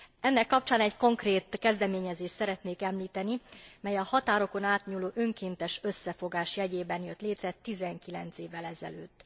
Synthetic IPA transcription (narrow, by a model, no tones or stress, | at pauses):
ɛnːɛkːɒp̚t͡ʃaːnɛɟko̞ŋkreːt̪kɛzd̪ɛmeːɲɛzeːʃsɛɾɛt̪neːkɛmliːt̪ɛnimɛjɒhɒt̪aːɾo̞ko̞naːt̪ɲuːloːʔøŋkeːnt̪ɛʃø̞sːɛfo̞ɡaːʃjɛɟeːbɛnjø̞t̪leːt̪rɛt̪izɛŋkilɛnt̪seːvːɛlɛzɛ̰løːt̪ː